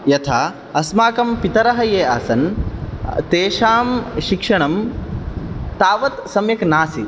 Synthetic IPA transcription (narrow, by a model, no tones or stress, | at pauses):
jɐt̪ʰaː | ɐsmaːkɐmpit̪ɐɾɐɦɐjeːɐsɐn | t̪eːʃaːmʃikʂɐɳɐm | t̪aːʋɐt̪sɐmjɐknaːsi